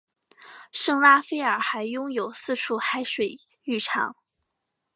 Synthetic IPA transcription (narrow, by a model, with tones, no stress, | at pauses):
ʂɤ˥˩ŋla˥fe˥ɪə˞˨˩xa˧˥ɪjʊ˥ŋjo˨˩ʊsɹ̩˥˧ʈ͡ʂʰu˥˩xa˥ɪʂwe˨˩ɪ | y˥˩ʈ͡ʂʰɑ̰˧˥˦ŋ